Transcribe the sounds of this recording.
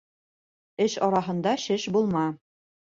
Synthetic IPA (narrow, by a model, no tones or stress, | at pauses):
ɘʃɒɾɑɦɤ̆nd̪ɑʃɘʃbulˠmɑ